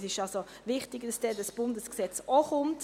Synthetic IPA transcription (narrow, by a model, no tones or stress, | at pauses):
sɪʃalso | vɪχtɪɡd̥ɑsd̥ɛdɑsb̥ʊndəsksɛt͡sɔχʊmt